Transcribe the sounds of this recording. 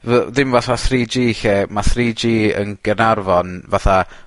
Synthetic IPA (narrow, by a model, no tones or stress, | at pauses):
vɛðɪmvaθaθriːd͡ʒiːɬɛmaθriːd͡ʒiːə̰nɡ̥ənarvɔnvaθa